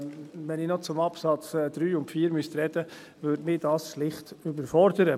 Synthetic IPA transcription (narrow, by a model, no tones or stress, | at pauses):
ʋɛnɪːnɔt͡sʊmɑpsɑt͡sːd̥̪ɾyːʊntfiːɾmʏst̪ɾɛd̥ə | ʋøɾdmɪːdɑːsʃlɪχtʏbəɾfɔɾdəɾə